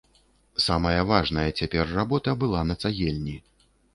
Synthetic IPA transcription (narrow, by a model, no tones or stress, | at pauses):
samɐjɐvaʐnɐjɐt͡sʲapʲɛrːabɔt̪ɐbɨlˠanɐt̪saɣʲɛlʲnʲi